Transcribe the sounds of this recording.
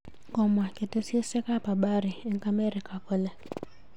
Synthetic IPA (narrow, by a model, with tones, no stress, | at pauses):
kɔ˦mwa˨ke˨tɛ˦si˦e˦sɛ˦ka˦pa˨ɓa˦ɾi˨ɛ˨ŋka˦mɛ˦ɾi˨ka˨kɔ˦lɛ˨